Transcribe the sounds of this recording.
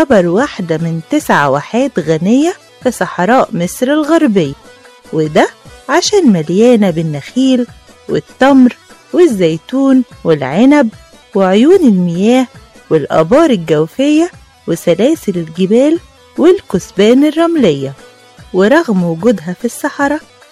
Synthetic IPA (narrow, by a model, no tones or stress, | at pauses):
kɑbɑɾˤwaħd̪æmɪnt̪ɪsʕawaħeːt̪ɣænejːæ | fisˤɑħɾˤɑːʔmesɾɪlɣɑɾˤbejː | wɪd̪æʕaʃæːnmæljæːnæbɪnːæxiːl | wɪt̪ːɑmɾ | wɪzːæjt̪uːnwelʕenæb | weʕojuːnɪlmɪjæːh | wɪlʔɑ̰bɑːɾˤɪlɡæwfejːæ | wesælæːselelɡɪbæːl | wɪlkʊsbæːnɪrˤːɑmlejːæ | weɾˤɑɣmwʊɡʊd̪ɦæfisːɑħɑɾˤɑ